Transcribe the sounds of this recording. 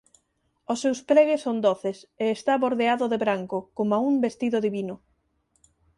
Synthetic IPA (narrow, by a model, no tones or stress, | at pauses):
osːewspɾɛɣesːond̪oθeseːst̪aβoɾðeaðʊðeβɾaŋkʊkomaumbest̪iðʊðiβinʊ